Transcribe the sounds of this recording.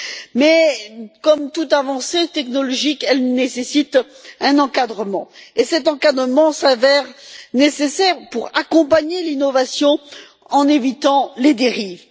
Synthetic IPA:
mɛkɔmt̪ut̪avɑ̃set̪ɛknɔlɔʒikɛlnesesit̪ɛ̃nɑ̃kad̪ʁəmɑ̰̃esɛt̪ɑ̃kad̪ʁəmɑ̃savɛʁnesesɛʁpuʁakɔ̃paɲelinɔvasjɔ̃ | ɑ̃nevit̪ɑ̃led̪eʁiːv

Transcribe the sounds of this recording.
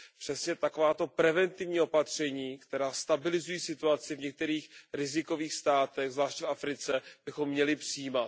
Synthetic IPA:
pr̥ɛsɲɛt̪akovaːt̪o̞pɾɛvɛnt̪ɪvɲiːo̞pat̪r̝̥ɛɲiːkt̪ɛɾaːst̪abɪlɪzujiːsɪt̪uat͡sɪvɲɛk̚t̪ɛɾiːxɾɪzɪko̞viːxst̪aːt̪ɛɣzlaːʃtcfafɾɪt͡sɛb̥ɪxo̞mːɲɛlɪpr̥ɪjiːmat̪̚

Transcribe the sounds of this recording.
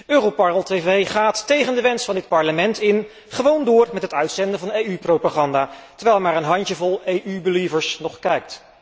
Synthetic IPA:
øːrowpɑnəlˠtejvejχaːtːejχəndəʋɛnsfɑndɪt̚pɑɹləmɛntɪn | χəʋowndʊːɹmɛtɦətœɥtsɛndəvɑnejyprowpaːχɑndaːtəɹʋɛjlmaːɹənɦɑntəvɔlˠejʔybəlivəɹsnɔχkɛjk̚t

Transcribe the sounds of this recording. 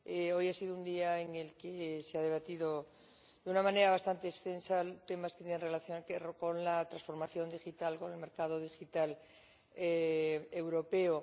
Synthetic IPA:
eo̞jasiðound̪iaeŋe̞lkeseað̞e̞β̞at̪iðo | d̪eunamãne̞ɾaβ̞ast̪ant̪e̞ːst̪e̞nsalt̪e̞masket̪eenrelaθjoeko̞nlat̪ɾasfo̞ɾmaθjo̞nd̪ixit̪alko̞ne̞lme̞ɾkað̞oð̞ixit̪al | eewɾo̞pe̞o

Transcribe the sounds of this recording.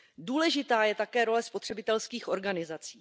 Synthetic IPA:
duːlɛʒɪt̪aːjɛt̪akɛːɾo̞lɛspo̞t̪r̝̥ɛbɪt̪ɛlskiːxʔo̞ɾɡanɪzat͡siː

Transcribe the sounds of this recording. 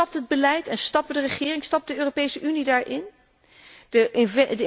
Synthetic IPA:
ɑp̚tɦəd̚bəlɛjtɛnstɑp̚dərəχɪːrɪŋstɑp̚dəøːropejsəʔynidaːɹʔɪn | dədə

